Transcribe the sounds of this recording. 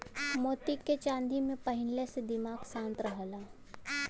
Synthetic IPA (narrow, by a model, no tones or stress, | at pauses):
moːt̪ikːet͡ʃãːnd̪imẽpəɦɪnlesed̪ɪmaːɡsãːnt̪ɾəɦəlaː